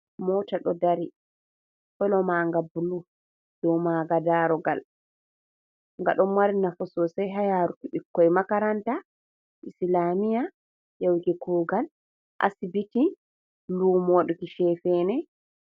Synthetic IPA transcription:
mɔtaɗɔdaɾi | hɔlɔmaŋɡabulu | d̥ɔwmaɡadaːɾɔɡal | ŋɡaɗɔmwaɾinafɔsɔsɛjɦajaɾukiɓikːɔjmakaɾanta | ʔislamija | jawkikuːɡal | ʔa̰sibiti | luːmɔwaɗukiʃɛfɛːnɛ

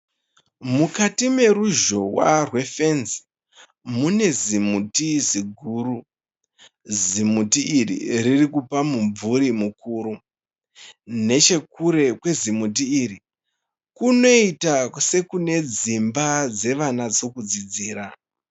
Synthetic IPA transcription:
mukatime̞ɾuʒo̞wa̰rwe̞fe̞nzi̥ | mune̞zimutiziɡʱuːɾu | zimutiirḭririkupamuɱvuɾimukuːɾu | ne̞t͡ʃe̞kuɾe̞kwe̞zimut̬iːri | kuno̞itase̞kune̞d͡zimbad͡ze̞ʋanad͡zo̞kud͡zid͡ziːɾa

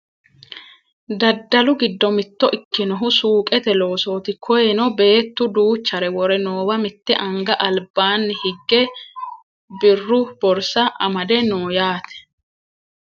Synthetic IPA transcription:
d̪ɐd̪ːɐlʊɡɪd̪ːɔmɪt̪ːɔʔɪkːɪnɔɦʊsuːkʼɛt̪ɛlo̞ːso̞ːt̪ɪkʰɔjɛnɔbe̞ːt̪ːʊd̪uːt͡ʃːɐɾɛwɔɾɛnoːwɐmɪt̪ːɛʔɐŋɡɐʔɐlbaːnːɪhɪɡːɛ | bɪrːʊb̥ɔɾsɐʔɐmɐd̪ɛnoːjaːt̪ɛ̥

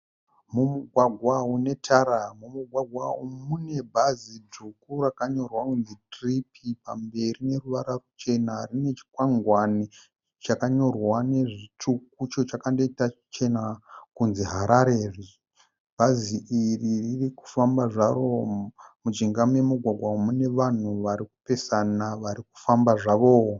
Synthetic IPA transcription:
mumuɡʱwaɡʱwaune̞tʰaɾamumuɡʱwaɡʱwaumune̞bʱazid͡zukuɾakaɲo̞rwakund͡zitripʰipa̰mbe̞rine̞ruʋaɾarut͡ʃe̞narine̞t͡ʃi̥kwaŋɡwani | t͡ʃakaɲo̞rwane̞ʐituk̚ut͡ʃo̞t͡ʃakando̞itat͡ʃe̞nakunziɦaɾaɾeːri | bʱaziʔiriririku̥fambaʐaro̞mud͡ʒiŋɡamue̞muɡʱwaɡʱwamune̞ʋan̤uʋaɾiku̥pe̞sanaʋaɾiku̥fambaʐaʋo̞

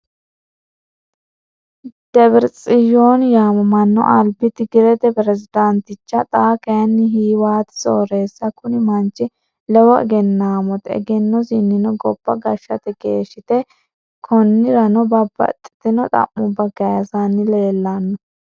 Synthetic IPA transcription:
d̪̥ɛbɪɾt͡sʼɪjoːnjaːmɔmɐnːɔ̰ʔɐlbɪt̪ɪɡɪɾɛt̪ɛpɾɛzɪd̪ɐnt̪ɪt͡ʃːɐt̪ʼaːkɐjɐnːɪɦiːwaːt̪ɪ̥sʼoːɾe̞ːsːɐkʊnɪmɐnt͡ʃʼːɪ | lɛwɔɛ̰ɡɛnːaːmɔt̪ɛ̰ɡɛnːɔsɪnːɪnɔɡɔb̥ːɐɡɐʃːɐt̪ɛɡeːʃɪt̪ɛ | kʰɔnːɪɾɐnɔbɐbɐ̰t̪ʼːɪ̥t̪ɪnɔt̪ʼɐ̰mːʊbːɐɡɐjɐsanːɪleːlːɐnːɔ

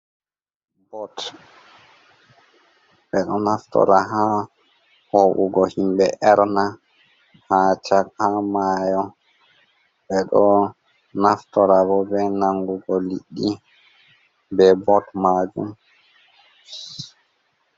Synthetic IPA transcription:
bɔt | ɓɛɗɔnaftɔ̰ɾaɦa | hɔʔuɡɔhimbɛʔɛɾna | hat͡ʃakhamaːjɔ | ɓɛɗɔ | naftɔɾabɔbɛnaŋɡuɡɔliɗːi | bɛbɔtmad͡ʒum

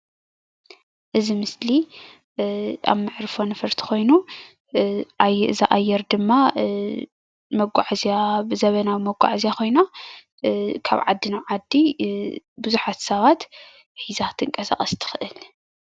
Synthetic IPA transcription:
ʔɨzimɨsli | ʔa̰βmɨʕɾfo̞nɨfɐɾt̪ʰi̥xo̞jnu | ʔajɨzaʔajːɛɾd̪ɨmːa | mɐɡʷaʕzijabɨzɐβɐnawmɐɡʷa̰ʕzijako̞jna | kʰa̰βʕa̰d̪ːinawʕad̪ːi | bɨzuħat̪sɐβat̪ | ħizat̪ʰɨŋkʼɐsa̰χʼɐst̪ʰɨ̥xɨʔɨl

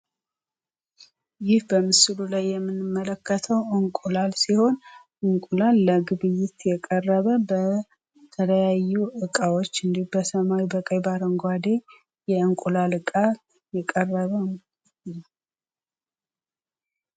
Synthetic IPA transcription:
jɪhbəmɨsɨlulajːɛmːɨnːɨmːələkːət̪ʰəwʔɨŋkʷʼulalsiho̞n | ʔɨŋkʼulalːəɡɨβɨjːɪt̪jɛkʼərːəβəbə | t̪ʰələjajːuɨkʼawot͡ʃːɨnd̪ihubəsəmawibəkʼəjbaɾəŋɡʷwad̪e̞ | jɛɨŋkʷʼulalɨkʼa | jɛkʼərːəβə

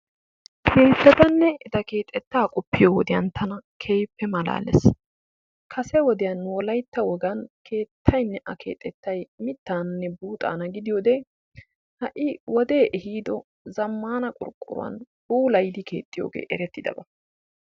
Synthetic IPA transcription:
hɪnt̪ːɛt̪ɐnːɛɪd̪ɐke̞ːt̪ʼːɛt̪ːaːkʼʊpːɪjowɔd̪ɪjɐnt̪ʰɐnɐkʰejpːɛmɐla̰ːlɛ̰s | kʰɐsɛwɔd̪ɪjɐnwɔlɐjt̪ːɐwɔɡɐnkʰe̞ːt̪ʰːɐjnːɛʔɐke̞̰ːt̪ʼːɛt̪ːɐjmɪt̪ːaːnnːɛbuːt̪ʼa̰ːnɐɡɪd̪ɪjoːd̪ɛ | hɐʔɪwɔd̪e̞ːʔɛhiːd̪ɔ | zɐmːaːnɐkʼʊ̰ɾkʼːʊ̰ɾʊ̰wɐ̰n | b̥uːlɐjd̪ɪkʰe̞̰ːt̪ʰʼːɪjo̰ːɡḛːʔɛɾɛt̪ːɪd̪ɐ̰bɐ

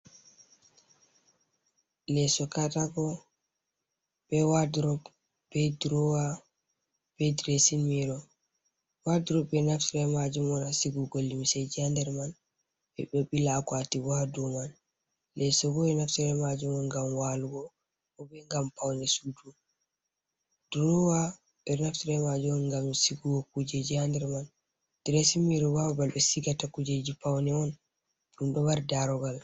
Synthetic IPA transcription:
lɛsɔkataɡɔ | bɛwadɾɔb | bɛdɾɔwa | b̥ɛdɾesinmiɾɔ | wadiɾɔbɛnafsuɾɛmad͡ʒumɔnasiɡuɡolːimsɛd͡ʒiandɛɾman | ɛɓoɓilakwatiwɔhaduman | lɛsɔɡɔɛnaftɾɛmad͡ʒumɔnɡamwaluɡɔ | ɔbɛŋɡampawnɛsudu | d̥uɾɔwa | ɓɛɾnaftiɾɛmad͡ʒuɔnŋɡamsiɡuɡɔkud͡ʒed͡ʒiandɛɾman | d̥iɾesimiɾɔwabalbɛsiɡatakud͡ʒed͡ʒipawnɛɔn | ɗumɗɔwaɾdaɾɔɡal

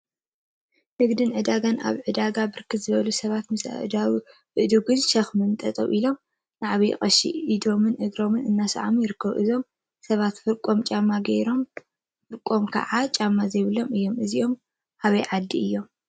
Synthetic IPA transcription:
nɨɡd̪ɨnʕɨd̪aɡana̰βʕɨd̪aɡabɨɾkʰɨt̪zɨβɐlusɐβat̪mɨsa | ɨd̪uɡɨnʃɐxmɨnt̪ʼɐt̪ʼɐ̰wʔilo̞m | naʕaβij̰xʼɐʃḭʔid̪o̞mɨnʔɨɡɾo̞mɨnɨnːasʕamjɪɾɨkːɐβ̰ʔɨ̰zo̞m | sɐβat̪fɨɾkʼo̞mt͡ʃʼamːaɡeɾo̞m | fɨɾkʼːo̞mkʰɐ̰ʕat͡ʃʼamːazɐjβɨlo̞mɨjːo̞mʔɨziʔo̞m | haβɐjʕad̪ːiɨjːo̞m

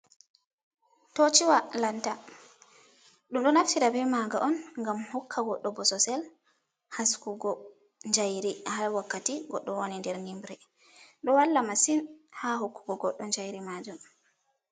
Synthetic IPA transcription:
tot͡ʃiwalanta | ɗumɗɔnaftiɾabɛmaɡaʔɔnŋɡamhɔkʰːaɡɔɗːɔbɔsɔsɛl | haskuɡɔ | ɲd͡ʒajɾihalwakːatiɡɔɗːɔwonindɛɾnimbɾɛ | ɗɔwalːamasinhaɦokːuɡɔɡɔɗːɔɲd͡ʒajɾimad͡ʒum

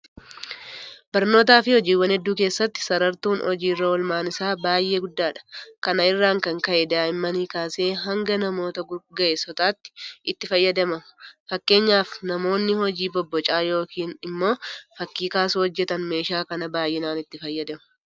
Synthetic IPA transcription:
b̥ɐɾno̞ːt̪̬aːfɪhɔd͡ʒiːwːɐnɛd̪ːuːke̞ːsːɐt̪ːɪ̥sɐɾɐɾt̪uːnɔd͡ʒiːrːɐwɔlmaːnɪsaːbaːjʔːe̞ːɡʊd̪ːaːᶑɐ̥kɐnɐɪrːaːŋkɐŋkɐʔɛd̪aːɪmːɐniːkaːse̞ːɦɐŋɡɐnɐmo̞ːt̪ɐɡʊɡɐʔesɔt̪aːt̪ːɪ̥ʔɪt̪ːɪfɐjːɐd̪ɐmɐfɐkːe̞ːɲːaːfnɐmo̞ːnːɪhɔd͡ʒiːbɔbːɔt͡ʃʼaːjo̞ːkʰiːnɪmːo̞ːfɐkːiːkaːsuːhɔd͡ʒːɛt̪ɐnme̞ːʃaːkɐnɐbaːjːɪnaːnɪt̪ːɪfɐjːɐd̪ɛmʊ̥

